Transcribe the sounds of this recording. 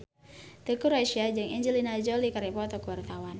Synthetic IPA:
t̪əkuɾaʃiad͡ʒɨŋiɲd͡ʒəlinad͡ʒolikaɾɛpɔat̪ɔwkəwart̪awan

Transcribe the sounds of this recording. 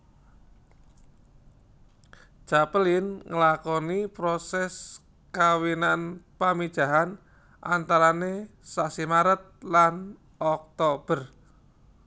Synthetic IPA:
ʒ̥apəlɪnŋəlakɔnipɾɔsɛs | kawinanpamid̥ʒ̥a̤ɦan | ʔa̰nt̪aɾane | saʔsimaɾət̪̚lan | ɔk̚t̪ob̥ər

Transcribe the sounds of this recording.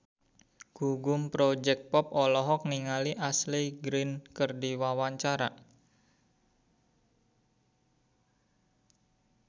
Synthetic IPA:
ɡ̥uɡʊmpɾod͡ʒɛk̚t̪̚pɔpɔlɔɦɔk̚niŋaliʔasliɡɾɪnkərdiwawaɲt͡ʃaɾa

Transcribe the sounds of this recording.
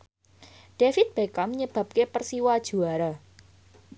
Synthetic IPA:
ɖ̥efɪt̪̚b̥ekamɲəb̥ä̤p̚kepərsiwad̥ʒ̥ṳaɾa

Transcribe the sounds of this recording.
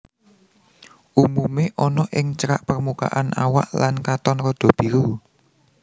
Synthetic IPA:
ʔumumeʔɔnɔʔɪŋt͡ʃəɾaʔpərmuka̰ʔanʔa̰wa̰ʔlankat̪ɔnɾɔd̪̥ɔ̤b̥i̤ɾu

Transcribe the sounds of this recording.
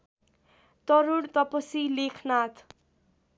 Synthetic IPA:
t̪ʌɾuɽt̪ʌpʌsilekʰnat̪ʰ

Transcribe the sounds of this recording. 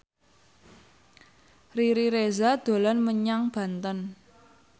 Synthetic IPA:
riɾiɾezad̪̥o̤lanməɲaŋb̥a̤nt̪ən

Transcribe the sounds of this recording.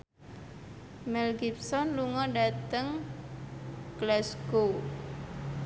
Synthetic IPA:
mɛlɡip̚sɔnluŋɔɖat̪əŋ | ɡ̥lɛsɡo

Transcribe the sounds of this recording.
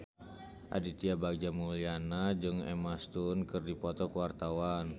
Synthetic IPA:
ʔa̰dit̪iabaɡ̚d͡ʒamulianad͡ʒɨŋɛ̰mast̪unkərdipɔt̪ɔkəwart̪awan

